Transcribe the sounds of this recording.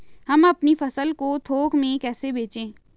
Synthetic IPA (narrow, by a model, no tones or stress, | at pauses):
hɐmɐpnifɐsəlkot̪ʰoːkmẽkɛːsebeːt͡ʃẽː